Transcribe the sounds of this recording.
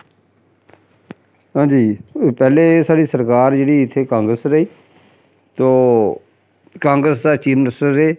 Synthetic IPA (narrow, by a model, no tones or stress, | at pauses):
ɦãːd͡ʒiːpɛːleːsaːɖiːsəɾkaːɾd͡ʒeːɽiːɪt̪ʰːeːkãːŋɡɾəsɾəiː | t̪oː | kãːŋɡɾəsd̪aːt͡ʃiːmnɪsʈəɾeː